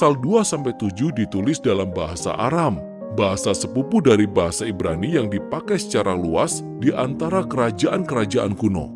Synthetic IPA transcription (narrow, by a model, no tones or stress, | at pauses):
salduasampajt̪ud͡ʒuhdit̪ulɪsdalambaɦasa̰ʔa̰ɾam | baɦasasəpupudaɾibaɦasaibɾanijaŋdipakajsə̥t͡ʃaɾaŋluas | diʔant̪aɾakəɾad͡ʒaʔankəɾad͡ʒaʔankuno̰